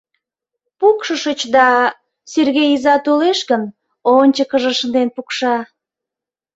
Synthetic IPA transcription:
pukʃəʃət͡ɕd̪ɑ | serɣejizɑt̪oleʃɣən | onʲt͡ɕəkəʒəʃənd̪enpukʃɑ

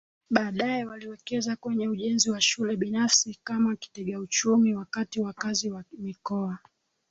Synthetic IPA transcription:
ɓaːɗaɛwaliwɛkɛzakwɛɲɛuʄɛnziwaʃulɛɓinafsikamaki̥tɛɠaut͡ʃumiwakatiwakaziwamikɔa

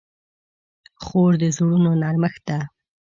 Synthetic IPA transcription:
xoɾd̪əzuɽunonɑɾməxd̪̥a

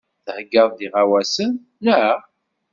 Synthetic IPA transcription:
θəhəɡːəðˤðiʁawæsən | læ

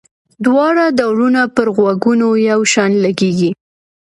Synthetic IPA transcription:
d̪wɑɽad̪awɽunapəɾɣwaɡunojawʃɑnlaɡeɡi

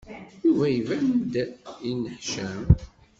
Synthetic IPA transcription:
juvæjvænd̪inəħʃæm

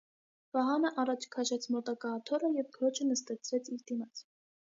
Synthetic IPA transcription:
vɑɦɑnəʔɑrɑt͡ʃʰkʰɑʃɛt͡sʰmɔt̪ɑkɑːt̪ʰɔɾəjɛvɡʰəɾɔt͡ʃʰənəst̪ɛt͡sʰɾɛt͡sʰiɾd̪imɑt͡sʰ

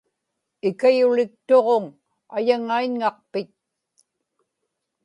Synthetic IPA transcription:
ɪkajʊlɪk̚t̪oʁoŋ | ajaŋaiɲŋɑq̚pɪt̪̚

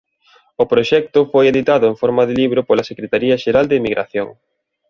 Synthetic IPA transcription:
ʊpɾoʃɛk̚t̪ʊfojeðit̪aðʊeɱfɔɾmɐðɪliβ̞ɾʊpolɐsekɾet̪aɾiɐʃeɾald̪ɪmiɣɾa̰θjoŋ

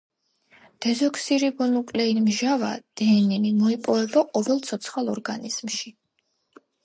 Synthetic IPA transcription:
d̪̥ɛzɔksiɾibɔnukʼlɛinmʒava̰d̪̥ɛːninimɔipʼɔvɛbaqʼɔvɛlˠt̪sʰɔt̪sʰχalˠɔɾɡaniz̥mʃi

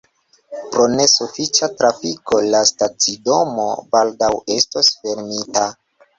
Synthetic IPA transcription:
pɾo̞ne̞sufit͡ʃatɾafiko̞lastat͡sido̞mo̞̰baldawe̞stosfe̞ɾmita

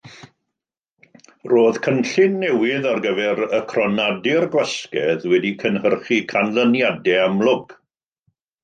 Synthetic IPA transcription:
roːðkʰənɬɪnːɛwɪðarɡəvɛɾəkʰrɔnadɪrɡwɛskɛðwɛdikʰənhərχikʰanlənjadɛamlˠʊɡ̥

